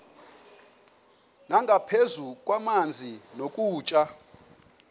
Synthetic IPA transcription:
naŋɡʱapʰezukʼwamand͡zʱinokʼuːt͡ʃʼa

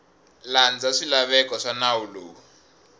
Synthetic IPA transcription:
land͡zaʂilaβɛkɔʂanaulo̰ː

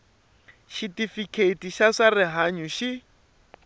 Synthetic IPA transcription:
ʃitifikʰetiʃaʂarɪɦaɲuʃi

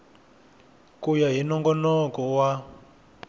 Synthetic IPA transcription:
kujaɦinɔŋɡɔnɔkɔwa

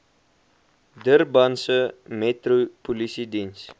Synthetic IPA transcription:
dərbɐnsəmɛtropulisidins

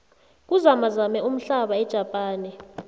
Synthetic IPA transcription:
k̬ʼuzamazamɛʔum̩ɬaɓaɛd̥ʒ̥ʱapʼaːnɛ

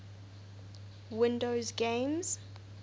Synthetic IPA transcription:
wɪ̃ndozɡẽmz̥

